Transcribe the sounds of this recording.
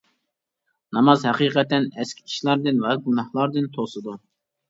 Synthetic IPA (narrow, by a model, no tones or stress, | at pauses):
nɑmɑzhɛqiːqɛt̪ɛnɛskʲi̥kʲʰi̥ʃlˠɑɾd̪ɨnwɛɡunɑhlˠɑɾd̪ɨnt̪ʰosɨd̪u